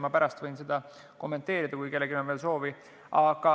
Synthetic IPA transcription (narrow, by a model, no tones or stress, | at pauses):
mɑpæɾɑst̪vɤjnse̞d̪̥ɑ | ko̞mːe̞nt̪ːˑe̞ːɾid̪̥ɑkujke̞lːeɡimɑnveːlso̞ːvi | ʔɑɡ̥ɑ